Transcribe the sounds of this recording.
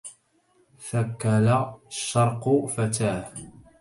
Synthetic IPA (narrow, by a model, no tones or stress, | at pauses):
θakːalaʃːɑɾˤqʊfat̪aːh